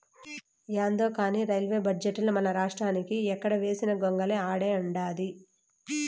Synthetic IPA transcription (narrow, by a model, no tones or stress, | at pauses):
jaːnd̪oːkaːniːɾɐjlʋe̞ːbɐd͡ʒeʈːlɐmɐnɐɾaːʂʈɾaːnikiɛkːɐɽɐʋe̞ːsinɐɡoŋɡɐleaːɽeːuɳɖaːd̪i